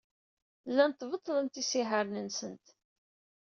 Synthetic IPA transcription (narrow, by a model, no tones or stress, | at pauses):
lːænt̪ːvət̪ˤːlənt̪isiħəɾnənsənt̪